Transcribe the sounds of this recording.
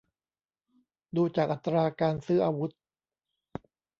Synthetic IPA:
duː˧t͡ɕaː˨˩k̚ʔa˨˩t̪ːɾaː˧kaː˧nsɯː˦˥ʔaː˧wu˦˥t̪̚

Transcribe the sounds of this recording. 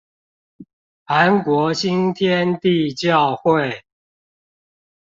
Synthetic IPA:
ha˨˦nkwɔ˨˧˥ɕi˦nt̪ʰjɛ˦nt̪i˥˧˨t͡ɕjɑ˥˨ʊxwe˥˨ɪ

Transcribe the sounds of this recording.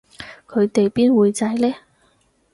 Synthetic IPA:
kʰɵ˨˧ɥt̪e˨jpiː˥nwuː˨˧jt͡sɐ˧jlɛː˥

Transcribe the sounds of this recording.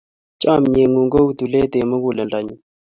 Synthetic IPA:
t͡ʃʼa˦˨mɲe˨ŋu˨ŋɡo˦u˦tu˨le˦te˨ma˦ku˨lɛ˨nda˨ɲi˦

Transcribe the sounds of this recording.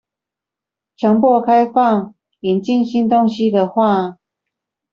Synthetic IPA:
t͡ɕʰjɑ˧˥ŋpɔ˥˧kʰa˥˦ɪfɑ˥˨ŋ | i˨˩nt͡ɕi˥˨nɕi˦˥nt̪o˦˥ŋɕi˦d̪ə˨xwa˥˨

